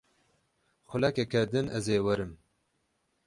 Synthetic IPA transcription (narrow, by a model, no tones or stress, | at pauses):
xʊlɛkɛkʰɛd̪ɨnɛzeːwɛɾɨm